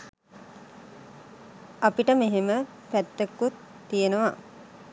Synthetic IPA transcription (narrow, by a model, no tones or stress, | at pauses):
apiʈəmeɦemə | pæt̪ːekːut̪ːijenəʋa